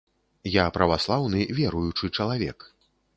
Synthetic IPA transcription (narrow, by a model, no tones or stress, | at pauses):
japɾɐvaslˠawnɨvʲɛɾujut͡ʂɨt͡ʂɐlˠavʲɛ̰k